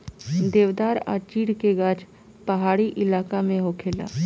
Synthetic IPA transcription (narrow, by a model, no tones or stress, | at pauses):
d̪eːʋd̪aːɾa̰ːt͡ʃiːɽkeɡaːd͡ʒ | pəɦaːɽiʔɪlaːkamẽɦoːkʰeːla̰ː